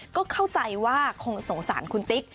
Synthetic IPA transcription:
kɔː˥˩kʰa˥˩wt͡ɕa˧jwaː˥˩kʰo˧ŋso˩˦ŋsa̰ː˩˦nkʰu˧nt̪i˦˥k̚

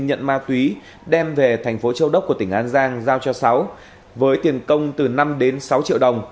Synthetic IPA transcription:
ɲə̰˧˨nmaː˧t̪wi˨˦ | ɗɛ˧mve˨˩t̪ʰa˨˩jŋ̟fo˨˦t͡ɕə˧wɗə˦˥k͡pkːət̪ï˧˩ŋ̟ʔaː˨˦nzaː˧ŋzaː˧wt͡ɕɔ˧sa˨˦w | vəː˨˦jt̪i˨˩ənkə˧wŋ͡mt̪ɨ˨˩na˧mɗe˨˦nsa˨˦wt͡ɕḭ˧əwɗə˨˩wŋ͡m

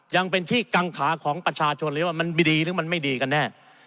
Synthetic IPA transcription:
ja˧ŋpe˧nt̪ʰiː˥˩ka˧ŋkʰaː˩˦kʰɔː˩˦ŋpɾa˧t͡ɕʰaː˧t͡ɕʰo˧nlwa˥˩ma˧n˩diː˧ɾɯː˩˦ma˧nma˥˩jdiː˧ka˧nːɛː˥˩

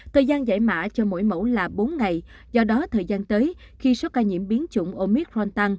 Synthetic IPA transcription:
t̪ʰəː˨˩jzaː˧nza̰ː˧˩jma̰ː˧˨t͡ɕɔ˧mo̰˧˨jmo̰˧˥wlaː˨˩ɓo˨˦nŋa˨˩j | zɔ˧ɗɔ˨˦t̪ʰəː˨˩jzaː˧nt̪əː˨˦j | xi˧so˨˦kaː˧ɲḭ˧˨əmɓi˨˦ənt͡ɕʊ̰˧˩ŋ͡mʔo˧mi˦˥k̚ɹɔ˧nt̪a˧ŋ

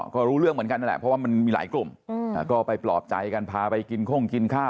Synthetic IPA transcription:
kɔː˥˩ɾuː˦˥ɾɯ˥˩əŋm˩˦ənka˧na˥˩lɛ̰˨˩pʰɾɔ˦˥waː˥˩ma˧nmiː˧la̰ː˩˦jklu˨˩m̰ː˨˩kɔː˥˩pa˧jplɔː˨˩p̚t͡ɕa̰˧jka˧npʰaː˧pa˧jki˧nkʰo˥˩ŋki˧nkʰaː˥˩

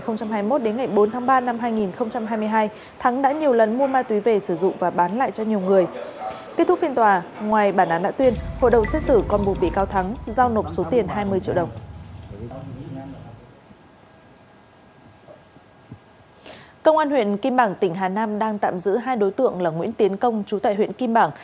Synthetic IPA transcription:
xə˧wŋ͡mt͡ɕa˧mhaː˧jmo˦˥t̚ɗe˨˦nŋa˨˩jɓo˨˦nt̪ʰaː˨˦ŋɓaː˧na˧mɦaː˧jŋi˨˩nxə˧wŋ͡mt͡ɕa˧mɦaː˧jmɨ˧əjɦaː˧j | t̪ʰa˨˦ŋɗa̰˧˥ɲi˨˩əwlə˨˩nmu˧əmaː˧t̪wi˨˦ve˨˩sɨ˧˩zʊ̰˧˨ŋ͡mvaː˨˩ɓaː˨˦nla̰ː˧˨jt͡ɕɔ˧ɲi˨˩əwŋɨ˨˩əjke˦˥t̪ʊ˦˥k̚fi˧ənt̪waː˨˩ŋwaː˨˩jɓaː˧˩nʔaː˨˦nɗa̰ː˧˥t̪wi˧ənho̰˧˨jɗə˨˩wŋ͡mse˦˥t̚sɨ˧˩kɔ˨˩nɓṵ˨˩ɓḭ˧˨kaː˧wt̪ʰa˨˦ŋzaː˧wno˨˩p̚so˨˦t̪i˨˩ənɦaː˧jmɨ˧ət͡ɕḭ˧˨wɗə˨˩wŋ͡m | kə˧wŋ͡mʔaː˧nhwḭ˧˨ənki˧mɓaː˧˩ŋt̪ï˧˩ŋ̟ɦaː˨˩naː˧mɗaː˧ŋt̪a̰ː˧˨mzɨ̰˧˥ɦaː˧jɗo˨˦jt̪ɨ̰˧˨əŋlaː˨˩ŋwḭ˧˥ənt̪i˨˦ənkə˧wŋ͡mt͡ɕu˨˦t̪a̰ː˧˨hwḭ˧˨ə˨nki˧mɓaː˧˩ŋ

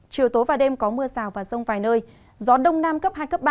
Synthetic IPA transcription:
t͡ɕi˨˩əwt̪o˨˦jvaː˨˩ɗe˧mkɔ˨˦mɨ˧əsaː˨˩wvaː˨˩sə˧wŋ͡mfaː˨˩jnəː˧j | zɔ˨˦ɗə˧wŋ͡mnaː˧mkə˦˥p̚haː˧jkə˦˥p̚ɓa˧

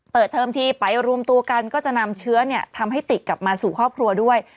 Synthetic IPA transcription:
pɤː˨˩t̪ʰːɤː˧mt̪ʰiː˧pa˨˩jɾu˧əmt̪u˧ɐka˧nkɔː˥˩t͡ɕa˨˩ʔna˧mt͡ɕʰɯ˦˥ɐni˥˩ɐt̪ʰa˧mɦa˥˩jt̪i˨˩t̪̚kla˨˩p̚maː˧suː˨˩kʰɾɔː˥˩p̚kʰɾu˧ɐdu˥˩əj

